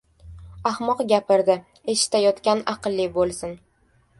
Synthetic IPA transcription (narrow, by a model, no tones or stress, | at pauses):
ahmɒqɡʲapɪɾd̪ɪ | e̞ʃɪ̥t̪ajɒt̪kʲanɑqɨlˠːibolˠsɪn